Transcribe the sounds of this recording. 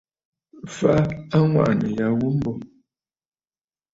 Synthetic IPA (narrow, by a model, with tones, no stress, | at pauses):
fa˦a˦ŋwa̰˦˨ʔnə˨ja˨ɣu˦m̩˦bɔ˨